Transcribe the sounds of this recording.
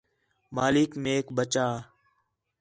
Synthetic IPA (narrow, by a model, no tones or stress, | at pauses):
maːlɪkmeːkbət͡ʃaː